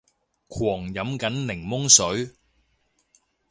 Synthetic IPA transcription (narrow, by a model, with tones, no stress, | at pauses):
kʰwɔː˨˩ŋjɐ˨˥mkɐ˨˥nlɪ˨˩ŋmʊ˥ŋsɵ˨˥ɥ